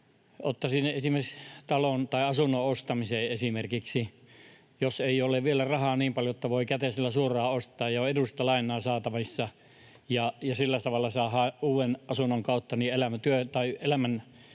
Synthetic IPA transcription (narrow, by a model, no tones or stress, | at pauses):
ot̪ːɑsinːeʔesimerkst̪ɑlont̪ɑiɑsunːoost̪ɑmiseːesimerkiksi | joseioleʋʋielærɑhɑːniːmpɑljojot̪ːɑʋoikæt̪esilːæsuorɑːost̪ˑɑːjjɑoedusst̪ɑlɑinˑɑːsɑːt̪ɑʋisːɑ | jɑjɑsilːæt̪ɑʋɑlːɑsɑːhɑuːenɑsunːoŋkɑut̪ːɑnielæmæt̪yøt̪ɑielæmæn